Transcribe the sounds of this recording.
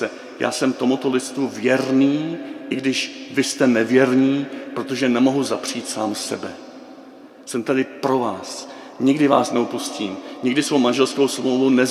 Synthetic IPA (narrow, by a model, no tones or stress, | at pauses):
ɛ | ja̰ːsɛmt̪omut̪o̞lɪt͡st̪uvjɛɾniːʔɪɡdɪʃvɪst̪ɛnɛvjɛɾɲiːpɾo̞t̪o̞ʒɛnɛmo̞ɦuzapr̝̥iːt̪saːmsɛ̰bɛ | sɛmt̪adɪpɾo̞vaːs | ɲɪɡdɪvaːsnɛupusciːmɲɪɡdɪsvowmanʒɛlskowsmowvunɛ